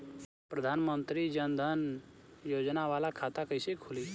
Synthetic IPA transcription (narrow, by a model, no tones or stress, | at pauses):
pɾəd̪ʱaːnmənt̪ɾid͡ʒənd̪ʱənjoːd͡ʒnaʋaːlakʰaːt̪akəjsekʰʊli